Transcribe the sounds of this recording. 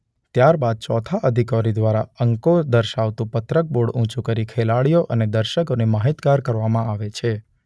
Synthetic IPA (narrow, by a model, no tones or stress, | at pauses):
t̪jaɾbad̪̚t͡ʃɔ̰t̪ʰaʔəd̪ʱikaɾid̪ʋaɾa̰əŋkod̪əɾʃaʋt̪ũpət̪ɾək̚boɽũt͡ʃũkəɾikʰelaɽijoʔəned̪əɾʃəkonemaɦit̪ɡaɾkəɾʋamãaʋet͡ʃʰe